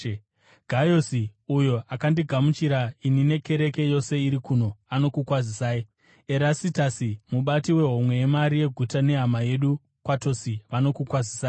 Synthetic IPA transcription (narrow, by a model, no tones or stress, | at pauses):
ɡ̥ʱajosiujoakandiɡʱamut͡ʃiɾainine̞ke̞ɾe̞ke̞jo̞se̞iɾikuno̞ano̞kukwazisaːji | eɾasitasimuɓatiwe̞ɦo̞mwe̞jːmaɾije̞ɡʱutane̞ɦamaje̞ɗu | kwato̞siʋano̞kukwazisaː